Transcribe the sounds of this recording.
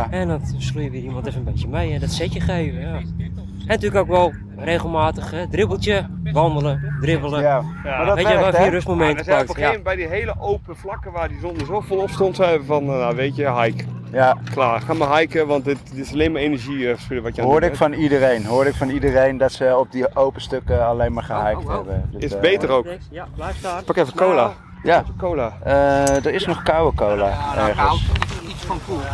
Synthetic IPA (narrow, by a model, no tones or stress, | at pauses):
ɛndɔnslujəʋiimɔntɛfəənbesjəmejɛndɔtsɛtjəxeːvə | ɛntyəkʰanɪkʋɛlˠ | reːɣəlˠmaːtəxɛdrɪbəlˠtjəʋɔndəlˠədrɪbəlˠəjaadɔʋeːiərøsmomɛntsɛaɔnbɛjdiɦeːləʔowpəflakəʋaːrdiondəsoːfolˠɔpstontɛvəfɔnjaʋetjəɦajkklaːχaːmaɦɛjkəʋɑntdɪtɪsɑlejnmaːɹejnəɹʒiχə̥spɪdəʋɑtjɦoːɹdɪfɑnidərejnɦoːɹdɪkfɑnidərejndɑtsəɔb̚diowpəstøkəɑlejnmaːɹχəɦɛjk̚tɦɛbəndəɪbejtərowk | pɑkɛfəkowla | jakowlaədəɹɪsnɔχkawəkowlaʔɛɹχəsssnku